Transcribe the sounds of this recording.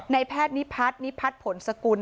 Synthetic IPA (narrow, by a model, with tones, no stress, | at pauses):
na˧jpʰɛː˥˩t̪̚ni˦˥pʰa˦˥t̪̚ni˦˥pʰa˦˥t̪̚pʰo˨˩˦nsa˧ku˧n